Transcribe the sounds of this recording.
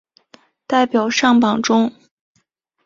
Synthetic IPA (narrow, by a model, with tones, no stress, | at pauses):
t̪a˥˩ɪpjɑ˨˩ʊʂɑ˥˩ŋpɑ˨˩ŋʈ͡ʂʊ˥ŋ